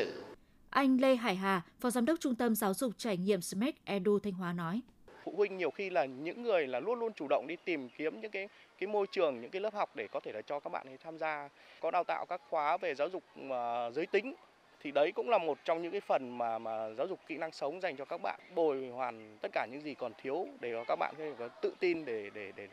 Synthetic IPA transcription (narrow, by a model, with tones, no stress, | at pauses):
ɨ̰˧˩ | ʔa˧jŋ̟le˧ɦaː˧˩jɦaː˨˩fɔ˨˦zaː˨˦mɗə˦˥k͡p̚t͡ɕʊ˧ŋ͡mt̪ə˧mzaː˨˦wzʊ˨˩k͡p̚t͡ɕaː˧˩jŋḭ˧˨əmsə˧mɛ˦˥t̚ʔɛ˧ɗu˧t̪ʰa˧jŋ̟ɦwaː˨˦nɔ˨˦j | fṵ˧˨hwi˧ŋ̟ɲi˨˩əwxi˧laː˨˩ɲɨ̰˧˥ŋːɨ˨˩əjlaː˨˩lu˧ənlu˧ənt͡ɕu˧˩ɗə̰˧˨wŋ͡mɗi˧t̪i˨˩mki˨˦əmɲɨ̰˧˥ŋkaː˨˦j | kaː˨˦jmo˧jt͡ɕɨ˨˩əŋɲɨ̰˧˥kaː˨˦lə˦˥p̚ha˨˩wk͡p̚ɗe˧˩kɔ˨˦t̪ʰe˧˩laː˨˩t͡ɕɔ˧kaː˦˥k̚ɓa̰ː˧˨nə˨˦jt̪ʰaː˧mzaː˧ | kɔ˨˦ɗaː˧wt̪a̰ː˧˨wkaː˦˥k̚xwaː˨˦ve˨˩zaː˨˦wzʊ˨˩k͡p̚əː˨˩zəː˨˦jt̪ï˨˦ŋ̟ | t̪ʰi˨˩ɗə˨˦jkʊ̰˧˥ŋ͡mlaː˨˩mo˨˩t̚t͡ɕɔ˧wŋ͡mɲɨ̰˧˥ŋkaː˨˦jfə˨˩nmaː˨˩maː˨˩zaː˨˦wzʊ˨˩k͡p̚kḭ˧˨na˧ŋsə˨˦wŋ͡mza˨˩jŋ̟t͡ɕɔ˧kaː˦˥k̚ɓa̰ː˧˨nɓo˧˨˩jhwaː˨˩nt̪ə˦˥t̚kaː˧˩ɲɨ̰˧˥ŋzi˨˩kɔ˨˩nt̪ʰi˨˦əwɗe˧˩ɔ˧˩kaː˦˥k̚ɓa̰ː˧˨kt̪ɨ̰˧˨t̪i˧nɗe˧˩ɗe˧˩ɗe˧˩